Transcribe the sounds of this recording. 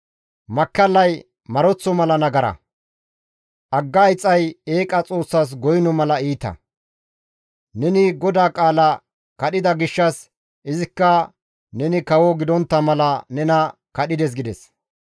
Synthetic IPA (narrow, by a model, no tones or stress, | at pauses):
mɐkːɐlːɐj | mɐɾɔt͡sːɔmɐlɐnɐɡɐɾɐ̰ | ʔɐɡːɐjt͡sʼːɐje̞ːkʼɐt͡sʼo̞ːsːas̬ɡɔjnɔmɐlɐiːt̪ɐ̰ | nɛnɪɡɔd̪aːkʼaːlɐ | kɐɗɪd̪ɐɡɪʃːɐs | ɪzɪkːɐ | nɛnɪkɐwɔɡɪd̪ɔnt̪ːɐmɐlɐnɛnɐkɐɗɪd̪ɛs̬ɡɪd̪ɛs